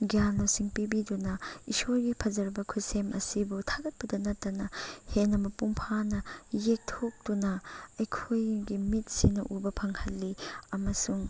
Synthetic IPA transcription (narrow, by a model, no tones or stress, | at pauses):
ɡijanːosiŋpibidunɐisoɾɡipʰɐzɐɾbɐkʰujsemʔɐsibutʰaɡɐt̚pɐdɐnɐtːɐnɐhenɐmɐpuŋpʰanɐjek̚tʰok̚dunɐɐjkʰojɡimit̚sinɐʔubɐpʰɐŋhɐlːiɐmɐsuŋ